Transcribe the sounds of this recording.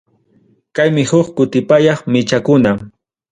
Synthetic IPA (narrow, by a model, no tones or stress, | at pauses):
kajmɪhʊχkʊt̪ɪpajɑχmɪt͡ʃakʊna